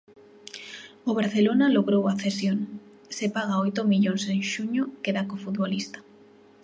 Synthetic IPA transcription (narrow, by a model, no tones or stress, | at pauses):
oβaɾθelonaloɣɾowaθesjoŋ | sepaɣ̞aojt̪omiʎonseŋʃuɲokeðakofut̪̚βolist̪ḁ